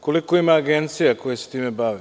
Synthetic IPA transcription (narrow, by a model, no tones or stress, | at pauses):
ko̞likoimaːɡent̪sijako̞jese̥t̪iːmebaʋi